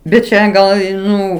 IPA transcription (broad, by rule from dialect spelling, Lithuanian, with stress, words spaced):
bʲɛt ˈt͡ʃʲɛ ˈɡɐlˠ ɪ ˈnʊ